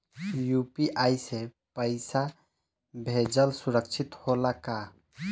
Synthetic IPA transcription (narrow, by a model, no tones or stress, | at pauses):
jupiʔajsẽ | pəɪsa | bʱed͡ʒəlsuɾək̚t͡ʃʰit̪holaka